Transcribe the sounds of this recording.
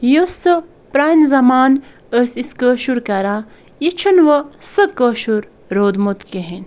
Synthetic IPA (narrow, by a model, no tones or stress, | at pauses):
josə | pɾanzɐmaːn | əsiskəːʃuɾkɐɾa | jit͡ʃʰɐnʋɐsəkəːʃuɾ | ɾoːd̪mot̪keɦen